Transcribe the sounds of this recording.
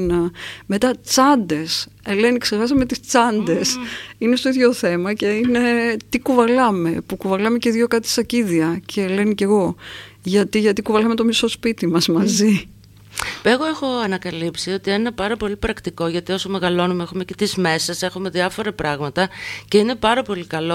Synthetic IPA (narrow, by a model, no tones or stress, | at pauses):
nɐme̞t̪ɐt͡sɐnd̪e̞s | ele̞nikse̞ɾxɐsɐme̞t̪ist͡sɐnd̪e̞sinest̪o̞iðʝoθe̞mɐce̞ine̞t̪ikuvɐlɐme̞pukuvɐlɐme̞ceðʝo̞kɐt̪i̥sɐciðiɐcʰe̞le̞nice̞ɣo̞ | ʝɐt̪iʝɐt̪ikuvɐlɐme̞t̪o̞miso̞spit̪imɐzmɐzi | eɣo̞exo̞ɐnɐkɐlipsio̞t̪ienenɐpɐɾɐpo̞lipɾɐkt̪iko̞ʝɐt̪io̞so̞me̞ɣɐlo̞numeexumecet̪izme̞sese̞xume̞ðiɐfo̞ɾɐpɾɐɣmɐt̪ɐce̞ine̞pɐɾɐpo̞likɐlo